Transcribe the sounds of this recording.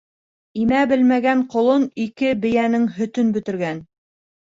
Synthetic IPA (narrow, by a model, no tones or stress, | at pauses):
imæbɘlmæɡæɴqŏlˠonikɘbɘ̆jænɘŋɦɵ̆t̪ɵnbɵ̆t̪ɘ̆ɾɡæn